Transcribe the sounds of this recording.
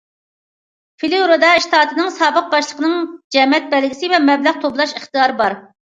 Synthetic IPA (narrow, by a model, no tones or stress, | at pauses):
filɪɾod̪ɑiʃt̪ʰɑːt̪ʰɨnɨŋsɑːbəq̚bɑʃlˠəqʰənɨŋd͡ʒɛmɛt̪̚bɛlɡʲisɪvɛmɛblæʁt̪ʰoblˠɑʃəχt̪ijɑːɾɨbɑɾ